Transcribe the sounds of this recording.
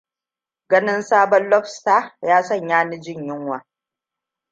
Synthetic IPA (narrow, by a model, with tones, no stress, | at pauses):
ɡɐ˦nɪ˦nsaː˦bɔ˦nlɔ˦ɸsta˦jaː˦sɐ˦˨ɲjaː˦ni˦d͡ʒɪ˦˨ɲjɪ˦ŋwaː˨